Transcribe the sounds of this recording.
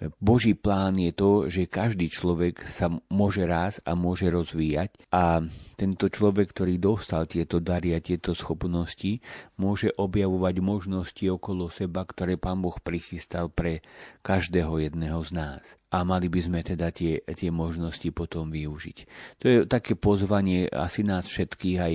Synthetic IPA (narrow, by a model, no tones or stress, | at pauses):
bɔʒiːplaːnjɛt̪ɔʒɛkaʒd̪iːt͡ʃlɔʋɛksamʊɔʒɛɾaːza̰mʊɔʒɛɾɔzʋiːjac | ʔat̪ɛnt̪ɔt͡ʃlɔʋɛkːt̪ɔɾiːd̪ɔst̪alt̪ɪɛt̪ɔd̪aɾiat̪ɪɛt̪ɔsxɔpnɔscimʊɔʒɛʔɔbjaʋɔʋaɟmɔʒnɔsciɔkɔlɔsɛbakt̪ɔɾɛːpaːnbɔxpɾixiːst̪alpɾɛkaʒd̪ɛːɦɔjɛd̪nɛɦɔznaːsʔamalibizmɛt̪ɛd̪at̪ɪɛt̪ɪɛmɔʒnɔscipɔt̪ɔmʋiuʒḭct̪ɔjɛt̪akɛːpɔzʋaɲɪɛa̰sinaːsfʃɛt̪kiːɣaj